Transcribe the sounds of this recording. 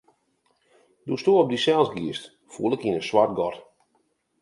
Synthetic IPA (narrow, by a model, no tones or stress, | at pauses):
dustuəɔp̚disɛlˠsɡiəst | fṵəlˠɪkinəswart̚ɡɔt